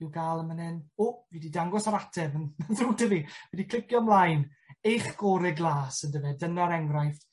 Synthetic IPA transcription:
iwɡaːlˠənmənɛnovididaŋɡɔsaɾatʰɛvənnðuːdəviwɛdikʰl̥ɪkjɔmlˠajn | ejχɡ̥ɔːɾɪɡlˠaːsəndəvɛdənaɾɛŋɡrajft

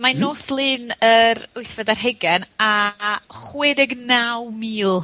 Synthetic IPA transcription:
manoːslˠɨːnəɾʊjθɛdarɦɛɡɛna | χwɪdɪɡnawmiːlˠ

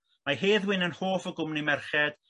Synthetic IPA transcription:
maɦeːðwɪnənhoːfəɡʊmnimɛrχɛd̥

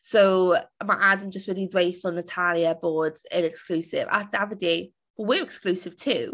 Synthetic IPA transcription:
sowmaʔadə̃md͡ʒəstwɪdidwejfəlˠə̃nətʰaljəbɔːdɪnɛksklʉːsɪ̰va̰davəde | wəwɪɹɛkskluːsɪv̥tʰuː

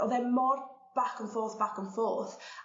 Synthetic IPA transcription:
ɔðɛmɔr | b̥akʰənfoːθb̥akənfoːθ

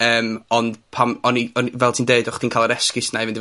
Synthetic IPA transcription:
əːmɔnd̥pʰamɔniɔnvɛlˠtʰiːndeːdʊχtʰiːnkʰaːlˠəɾɛskɪsnavɪndi

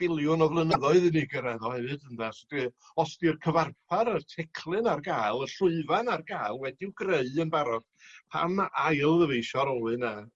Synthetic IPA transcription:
b̥ɪlˠjʊnɔvlˠənəðɔɨðɨniɡəɾɛðɔhɛvɨdəndasdi | ɔstirkʰəvarpʰaɾərtʰɛkʰlˠɨnarɡaːjlˠəɬʊɨvanarɡajlˠwɛdɪwɡreɨənbaɾɔr | pʰa̰majlˠðəvejʃɔɾɔlɨna

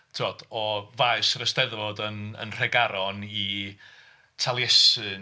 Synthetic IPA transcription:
tʰɪɔd̥ɔvaɨsrəstɛðvɔdənə̰nr̥ɛɡaɾɔni | tʰalˠjɛsɨ

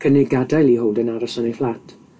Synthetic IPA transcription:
kʰənɪɡadajlˠiɦowˠdənaɾɔsɔnejflˠatʰ

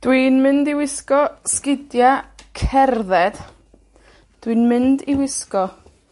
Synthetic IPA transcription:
d̥wiːnmɪndiwɪskɔskɪdjakʰɛrðɛd̥ | d̥winmɨndiwɪskɔ

